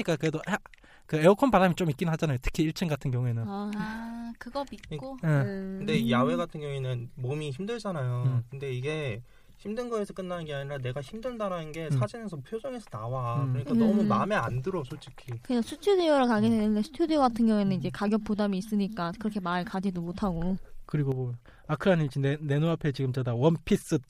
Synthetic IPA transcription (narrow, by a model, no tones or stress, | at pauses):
ɲik͈akɯɾedoʔa | kɯeokʰʌnbaɾamit͡ɕ͈omik͈inɯnɦad͡ʑanajotʰɯ̥kʰiiɭt͡ɕʰɯŋɡatʰɯnɡjʌŋuenɯna | kɯɡʌmit̚k͈oekɯnde̞jawe̞ɡatʰɯnɡjʌŋenɯnmomiçimdɯɭd͡ʑanajokɯnde̞iɡe̞ | çimdɯnɡʌesʰʌk͈ɯnːanɯnɡe̞aɲiɾane̞ɡaçimdɯɭdaɾanɯnɡe̞sʰad͡ʑinesʰʌpʰjod͡ʑʰoŋe̞sʰʌnawakkɯɾʌɲik͈anʌmumame̞andɯɾʌsʰot͡ɕ͈ʰikʰikɯɲasʰut͡ɕʰudijoɾɯɭkaɡisʰeɯdesʰu̥tʰudijoɡatʰɯŋɡjʌŋinɯnid͡ʑe̞kaɡjʌp̚p͈odamiːs͈ɯɲik͈akɯɾʌkʰe̞maɭkad͡ʑidomotʰaɡokɯɾiɡobo | akʰɯɾanit͡ɕʰinene̞noapʰe̞t͡ɕiɡɯmt͡ɕʌdawʌnpʰis͈ɯ